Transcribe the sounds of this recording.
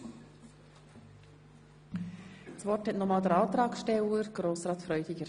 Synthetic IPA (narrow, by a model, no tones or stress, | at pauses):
sʋoːʈɛnɔmɑːt̪əɾɑːt̪ɾɑːkʃʈɛuːəɾɡɾoːsɾɑːt̪fɾœʏd̪ɪɡəɾ